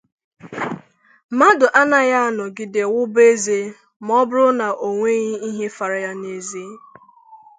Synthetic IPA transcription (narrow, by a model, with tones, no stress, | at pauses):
ma˦dʊ˨ʔa˦na˦ja˦a˦nɔ˨ɡɪ˨de˨wʊ˦be˦ze˦ | m˦ɔ˦bʊ˦ɾʊ˦na˨ʔo˨ŋʷe˦ɣi˦i˦ɦe˦fa˨ɾa˨ja˦ne˨zi˦